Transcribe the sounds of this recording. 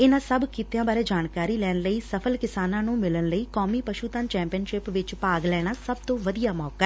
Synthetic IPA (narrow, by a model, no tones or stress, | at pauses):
ɪnãːssəbkɪt̪jãːbaːɾeːd͡ʒaːnkaːɾiːlɛːnləiːsəpʰəlkɪsaːnãːnũːmɪlənləiːkɔːmiːpəʃuːt̪ənt͡ʃɛ̃ːmpijənʃɪpʋɪt͡ʃpaːɡlɛːɽ̃aːsəbt̪õːʋəd̪ijaːmɔːkaɛ